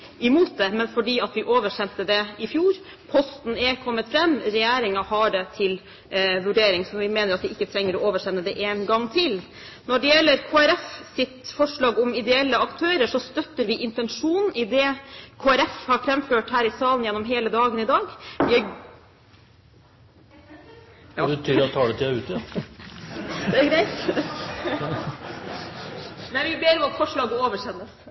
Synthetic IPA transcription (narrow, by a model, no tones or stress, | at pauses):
ɪmuːt̪̚d̪ɛmɛnfɔɖiːɑt̪ʋɪʔoːʋəʂɛnt̪əd̪ɛɪfjuːɾ | pʰɔst̪n̩ɛkʰɔmːət̪fɾɛmːɾɛjæːɾɪŋɑhɑɖɛt̪ʰɪl | ʋʉɖeːɾɪŋsɔʋɪmeːnəɾɑt̪ʋɪɪkːət̪ʰɾɛŋːəɾɔoːʋəʂɛnːəd̪ɛʔeːnɡɑŋːt̪ʰɪl | nɔɖɛjɛlːəɾkʰoːæɾɛfsɪt̪fɔʂɭɑːɡɔmɪd̪ɛɛlːəɑkt̪ʰøːɾəʂɔst̪œt̪ːəɾʋɪʔɪnt̪ɛnʂuːnnɪd̪ɛkʰoːæɾɛfhɑɾfɾɛmføːʈhæːɾɪsɑːlənjɛnːɔmɦeːləd̪ɑːɡənɪd̪ɑːɡʋɪɑ | t̪ʰyːɾɑt̪ʰɑːɖɛt̪ʰɪæʉːt̪ | d̪ɛɡɾæɪt̪ | mɛnʋɪbeːɾɔmɑt̪fɔʂɭɑːɡəoːʋəʂɛnːəs